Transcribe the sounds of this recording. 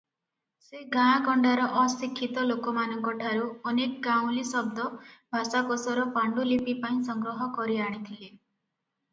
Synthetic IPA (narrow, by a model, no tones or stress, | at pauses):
seɡããkɔɳɖaɾɔʔɔsikʰːit̪ɔlokɔmanɔŋkɔʈʰaɾuɔnekɡaw̃lisɔb̚d̪ɔbʱasakosɔɾɔpaɳɖulipipaĩsʌŋɡɾɔɦɔkɔɾiaɽ̃it̪ʰile